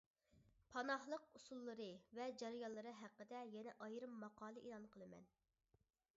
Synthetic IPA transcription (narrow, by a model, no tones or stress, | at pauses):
pʰɑnɑhlˠəqusulˠːɨɾɨvɛd͡ʒɛɾjɑllˠːɨɾɨɦæqːəd̪ɛjɛnɛʔɑjɾɨmːɑqɑːlˠɨʔelˠɑnqʰəlˠɨmɛ̰n